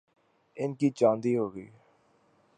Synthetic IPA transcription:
ɪnkit͡ʃãːnd̪iɦoːɡəḭː

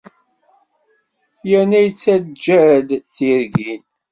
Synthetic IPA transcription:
jænæjt͡sːædd͡ʒæd̪θiɾɡin

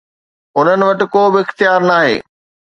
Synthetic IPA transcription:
ʊn̤ənɪ̆ʋɐʈɪ̆koːbɪɪxt̪ijaːɾnaːɦḛː

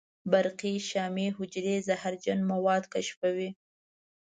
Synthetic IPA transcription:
baɾqiʃɑmiɦʊd͡ʒɾezahaɾd͡ʒanmawɑd̪kaʃfawi

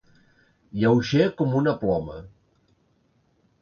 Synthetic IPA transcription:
jawʃekɔmunəplɔmə̰

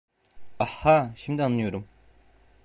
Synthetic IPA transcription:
ahːaʃimd̪ianːˠɯjo̞ɾum

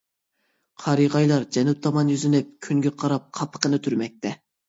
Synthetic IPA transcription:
qʰɑɾiʁɑjlˠɑɾd͡ʒɛnup̚t̪ʰɑmɑnjyzynɪp̚kʲʰyŋɡʲɛqʰɑɾɑp̚qʰɑpʰːə̥qʰənɨt̪ʰyɾmɛk̚ʲt̪ʰɛ

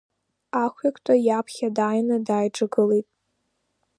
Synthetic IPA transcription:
aχʷakʷʰʼtʷʼajapʰχʲadaːjnɨdaːjʈ͡ʂʼaɡɨlejtʼ

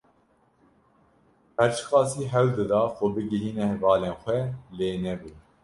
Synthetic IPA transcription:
pɛɾt͡ʃʰɨ̥xɑːsiːɦɛwd̪ɨd̪ɑːxoːbɨɡɨɾiːnɛvɑːleːnxʷɛleːnɛbu

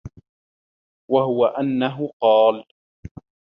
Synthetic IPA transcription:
waɦʊwaʔanːaɦʊqɑːl

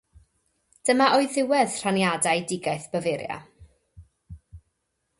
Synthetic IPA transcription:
d̥əmaʔɔɨðɪwɛð̥r̥anjadajdɪɡajθb̥əvɪɾja̰

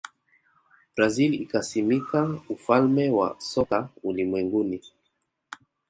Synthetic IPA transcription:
b̥ɾazilikasimikaufalmɛwa̰sɔkaulimwɛŋɡuni

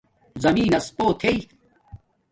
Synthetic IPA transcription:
zɐmiːnɐspoːt̪ʰei

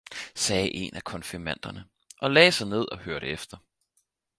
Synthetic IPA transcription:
sɛːʔe̝nʔækʰɒ̽nfiɐmæn̰d̥ɐnə | ʔɒ̽lɛ̰ːsɑ̈ɪne̝ð̞̰ˠɒ̽høɐɾ̥əefd̥ɐ

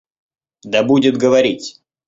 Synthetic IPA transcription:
d̪ɐbudʲɪt̪ɡəvɐɾʲitʲ

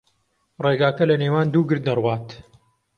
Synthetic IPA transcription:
reːɡaːkɐlɐneːwaːnd̪uːɡɨɾd̪nɐrwaːt̪

